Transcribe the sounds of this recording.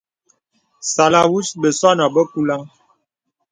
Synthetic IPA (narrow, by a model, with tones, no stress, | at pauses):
sa˨la˨wu˦sbə˨sa˦na˨bə˦ku˦la˦ŋ